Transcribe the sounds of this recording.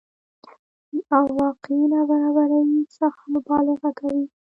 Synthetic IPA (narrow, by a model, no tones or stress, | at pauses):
awɑqelɑbaɾɑbaɾawisaxmʊbɑlɪɣakawi